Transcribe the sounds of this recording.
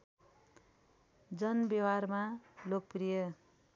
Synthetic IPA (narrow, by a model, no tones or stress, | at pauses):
d͡zʌnbjʌwarmalok̚prijʌ